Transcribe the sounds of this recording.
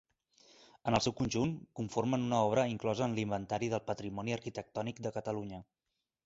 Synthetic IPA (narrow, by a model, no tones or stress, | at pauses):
ənəlˠsɛwkunʲʒunŋkuɱformənunəɔβ̞ɾəiŋklɔzəːnlimbənt̪aɾiðəlˠpət̪ɾimɔniəɾkit̪ək̚t̪ɔnik̚d̪əkət̪əluɲə